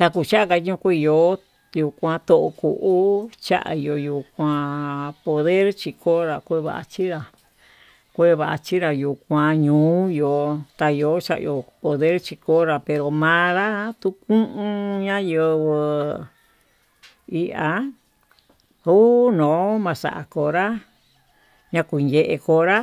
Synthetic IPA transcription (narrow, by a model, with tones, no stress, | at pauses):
t̪a˧ku˧˨t͡ʃa˦a˦ka˧ɲũ˧kʷu˦˧jo˧˦ | ju˧˨kʷã˧t̪o˧˨ʔo˧kṵ˨ʔu˦t͡ʃa̰˦ʔa̰˧i˧jo˧ju˧kʷã˧po˨ðe˦ɾt͡ʃi˧kʰo˦ɾa˧kʷe˦βa̰˨ʔa̰˧t͡ʃi˦ɾa˧ | kʷe˦˧βa˨ʔa̰˧t͡ʃi˦ɾa˧ju˨kʷã˧ɲũː˨˦jo˨t̪a˧jo˧˦t͡ʃa˦ʔjo˧po˨ðe˦ɾt͡ʃi˧ko˦ɾa˧pe˧ɾo˨mã˧˦ɾa˦t̪u˦kũ˦ʔũ˦ɲã˦jɨ˧βɨ˧ | i˧a˧˦ | u˦nõː˨˦mã˧sa̰˨ʔa̰˨ko˧ɾa˦ | ɲã˧kʷu˨˧nje˧˨ʔe˧ko˧ɾa˦